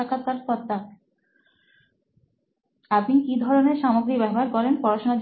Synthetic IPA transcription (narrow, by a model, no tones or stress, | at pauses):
akat̪ːaɾkɔt̪ːa | apnikid̪ʱɔɾoneɾʃamoɡɾibɛbʱaɾkɔɾenpɔɾaʃonad͡ʑ